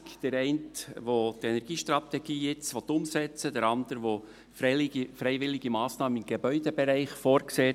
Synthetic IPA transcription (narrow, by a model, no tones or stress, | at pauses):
d̥əɾɛɪntʋotɛnɛɾɡ̥iːʃtɾɑt̪ɛɡ̥iːɪt͡sʋɔtːʊmsɛt͡sədəɾɑnd̪əɾʋo | fɾɛɪʋɪlɪɡ̥imɑːsnɑːmənɪmɡebœʏd̪ebeɾæɪχfɔɾkseː